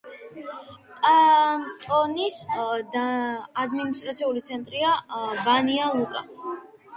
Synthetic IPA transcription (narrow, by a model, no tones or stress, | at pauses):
at̪ʼɔnisd̪ad̪minist̪ʼɾat̪sʰiulit̪sʰɛnt̪ʼɾiabanialˠukʼa